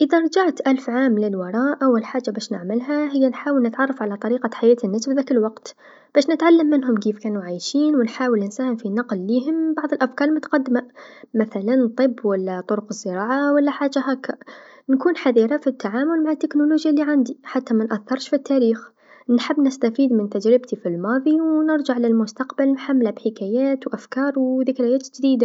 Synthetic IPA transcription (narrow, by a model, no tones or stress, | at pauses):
ʔɪðaɾˤɑd͡ʒaʕt̪ʔalfʕaːmlɪlwɑɾˤɑːʔʔawalħaːd͡ʒːabaːʃnɪʕmɪlɦaɦɪjːanħaːwɪlnɪt̪ʕɑrˤːɑfʕalat̪ˤɑɾiːqaħajaːt̪ɪnːasfðaːkɪlwɑqt̪ | b̥aːʃnɪt̪ʕalːamːɪnɦʊmkeːfkaːnuʕaːjʃiːnwɪnħaːwɪlɪnsaːhɪmfinɑqlːiːɦʊmbɑʕðˤɪlʔafkɑːɾˤmʊt̪ḁqad̪ːmamaθalant̪ˤɨbːwalːat̪ˤʊɾʊqɨzːɨɾˤɑːʕawalːaħaːd͡ʒaɦaːkːa | nkuːnħaðiːɾafit̪ːaʕaːmʊlmaʕat̪ːɪknʊluːd͡ʒjaliʕand̪iħat̪ːamanʔaθːɑɾˤʃfit̪ːaːɾiːx | nħɪbːnɪst̪afiːd̪mɪnt̪ad͡ʒɾɪbt̪ifilmɑːðˤiwnɪɾd͡ʒaʕlɪlmʊst̪aqbalnħamːlabħɪkaːjaːt̪wʔafkɑːɾˤwðɪkɾajaːt̪d͡ʒd̪iːd̪a